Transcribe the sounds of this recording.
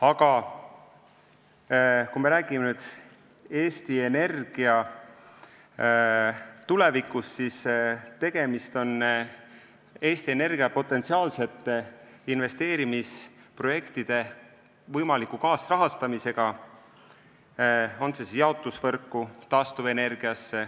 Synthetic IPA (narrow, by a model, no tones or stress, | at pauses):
ɑɡ̥ɑ | kumeɾæːɡ̥imenyːd̪̥ | eːst̪ie̞ne̞rɡ̥iɑ | t̪ule̞vikːusːist̪e̞ɡ̥e̞mist̪o̞n | e̞ːst̪ie̞ne̞rɡ̥iɑpo̞t̪ːˑe̞nt̪siɑːlse̞t̪ːˑeinve̞st̪e̞ːɾimispro̞je̞kt̪id̪̥e̞ | vɤjmɑlikˑːukɑːsrɑɦɑst̪ɑmise̞ɡ̥ɑ | o̞nsesjɑo̞t̪ˑːusvɤrkːˑut̪ɑːst̪uve̞ne̞rɡ̥iɑsːe